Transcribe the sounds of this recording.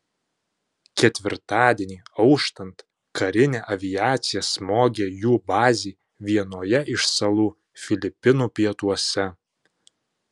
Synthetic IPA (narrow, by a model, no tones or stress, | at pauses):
kʲɛt̪ʲʋʲɪɾt̪ɑːd̪ʲiɛnʲiːɐʊʃt̪ɐnt̪ | kɐɾʲɪnʲeːʔɐʋʲɪjæːt̪sʲɪjɛsmoːɡʲejuːbɑːzʲiː | ʋʲiɛnoːjɛʔɪʃsɐlˠuː | fʲɪlʲɪpʲɪnuːpʲiɛt̪uɔsʲɛ